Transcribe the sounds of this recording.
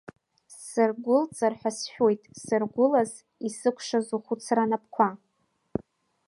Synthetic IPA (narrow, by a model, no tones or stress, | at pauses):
sɨrɡʷʊlt͡sʼarħʷᶣasʃᶣe̞jtʼsɨrɡʷʊlaz | isɨkʷʰʂazuχʷut͡sʰranap̚ʰkʷʰa